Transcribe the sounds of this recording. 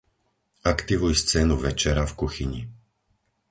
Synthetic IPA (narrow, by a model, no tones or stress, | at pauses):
ʔakt̪iʋujst͡sɛːnuʋɛt͡ʃɛɾafkuxiɲi